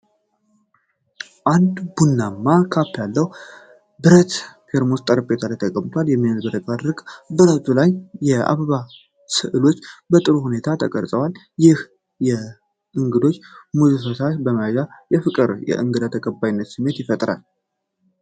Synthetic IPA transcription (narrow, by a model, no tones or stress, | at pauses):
ʔand̪bunːamːakʰapːjalːəw | bɨɾət̪fʰe̞ɾmost̪ʼəɾbet̪ʰalajt̪ʰəkʼəmt̪ʰwaljɛmːinəzbɨɾət̪ad̪ɾɨkʼbɨɾət̪ʰulajjɛa̰βəβa | sɨʔɨlo̞t͡ʃːbət̪ʼɨɾuhune̞t̪ʰat̪ʰəkʼəɾsʼəwal | jɪh | jɛ | ʔɨŋɡɨd̪o̞t͡ʃːmuzɨfəsaʃbəmajaɡajɛfɨkʼɨɾjɛ̰ʔɨ̰ŋɡɨd̪at̪ʰəkʼəbːajnːət̪sɨmːe̞t̪jɪfət̪ʼɾa̰l